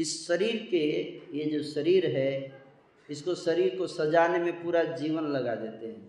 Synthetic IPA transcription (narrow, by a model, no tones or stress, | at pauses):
ɪsːɐɾiːɾkejed͡ʒoːʃɐɾiːɾɦɛ | ɪskoʃɐɾiːɾkosɐd͡ʒaːnemẽpuːɾad͡ʒiːʋənlɐɡad̪eːt̪eɦɛ̃ː